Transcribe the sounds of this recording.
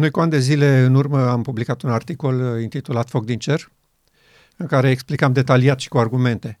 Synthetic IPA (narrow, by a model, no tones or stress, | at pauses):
nojkuand̪e̞zile̞ɨnurməampublikat̪unart̪iko̞lint̪it̪ulat̪fo̞k̚d̪int͡ʃe̞r | ɨŋkaɾe̞ːksplikamd̪e̞t̪aliat̪ʃi̥kuarɡume̞nt̪e̞